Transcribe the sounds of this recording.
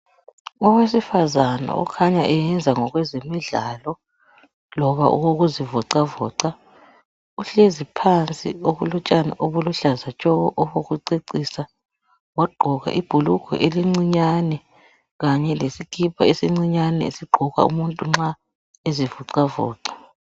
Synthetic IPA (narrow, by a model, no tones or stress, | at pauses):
ɔwesifazana̰ɔ̰kʰaɲaʔɛjɛnd͡zʱaŋɔɣwɛzemiɮaːlɔ | lɔβa̰ʔṵɣoɣuzivɔǀavɔ̰ːǀa | uɬezipʰant͡sʼḭoβulut͡ʃʼana̰ʔoβuluɬazat͡ʃʼɔɣɔʔɔβoɣuǀiǀisa | waɡ͡ǃʱɔɣa̰ʔib̥ʱulukʰɔ̰ʔeliŋ͡ǀiɲanɛ | ɣaɲɛlesikʰipʰaesiŋ͡ǀiɲanɛ̰ḛsiɡ͡ǃʱɔɣa̰ṵmuntʼuŋ͡ǁa | ezivuǀavɔ̰ːǀḁ